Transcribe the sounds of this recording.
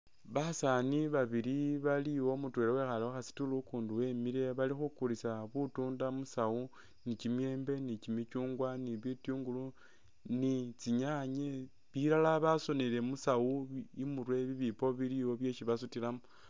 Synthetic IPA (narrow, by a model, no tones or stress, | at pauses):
βasaniβaβiɾiβaliwo̞mutwe̞lewe̞xalewaxasi̥tulukuːnduwe̞miɾe̞βalixukulisaβutuːndamusawu | nit͡ʃimje̞ːmbe̞nit͡ʃimit͡ʃuːŋɡwaniβitjuːŋɡulu | nit͡siɲaɲe | βiɾalaβaso̞nele̞musawuimuɾwe̞βiβipo̞βiliwo̞βje̞ʃiβasutilamu